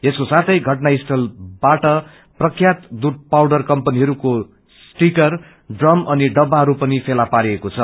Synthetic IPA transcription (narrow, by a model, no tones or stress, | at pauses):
eskosat͡s̪ʰʌjɡʱʌʈnaisʈʌlbaʈʌ | prʌkʰːjat̪d̪ud̚pawɽʌrkʌmpʌniɦʌɾuko | sʈikʌr | ɖrʌmʌniɖʌbːaɦʌɾupʌnipʰelapaɾiekot͡sʰʌ